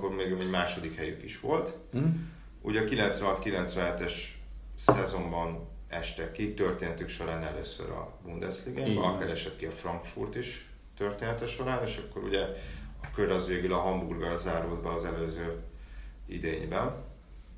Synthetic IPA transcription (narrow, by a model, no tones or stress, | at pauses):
kːormeːɡmɛɟmaːʃo̞d̪ikhɛjy̰kiʃʋo̞lt̪ | ṵɟɒkilɛnt̪sʋɛnɦɒt̪kilɛnt̪sʋɛnɦɛt̪ɛʃ | sɛzo̞mbɒn | ɛʃt̪ɛkːit̪ørt̪eːnɛt̪ykʃo̞ɾaːnɛlø̰ːsːø̰ɾɒ̰bund̪ɛsliɡaːbɒɒkɛɾɛʃɛt̪kiɒfrɒŋkfṵrt̪iʃ | t̪ørt̪eːnɛt̪ɛʃo̞ɾaːneːʃɒkːo̞ɾṵɟɛɒkøɾɒzʋeːɡylɒɦɒmburɡɒlzaːɾoːd̪bɛɒzɛløːzøː | ḭd̪eːɲbɛn